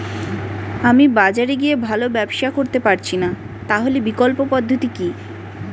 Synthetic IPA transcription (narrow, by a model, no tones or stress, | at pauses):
amibad͡ʑaɾeɡiebʱalobɛbʃakoɾt̪epaɾt͡ɕʰina | t̪aɦolebikolpopɔd̪ʱːot̪iki